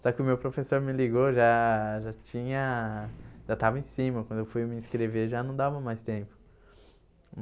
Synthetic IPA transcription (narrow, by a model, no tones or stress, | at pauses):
sɔkɪʊmewpɾofesoɾmɪliɡoʒaʒat͡ʃĩɲɐ | ʒat̪avɐẽsĩmɐkwɐ̃nd̪ʊewfujmɪĩskɾeveʒanɐ̃w̃d̪avɐmajst̪ẽpʊ̥